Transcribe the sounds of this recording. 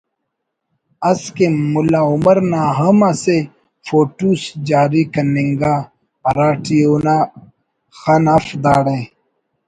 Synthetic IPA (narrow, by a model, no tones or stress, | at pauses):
ɐskemulaumɐɾnaɦɐmase | foːʈusd͡ʒaːɾikɐniŋɡa | ɐɾaːʈiuna | xanafd̪aːɽe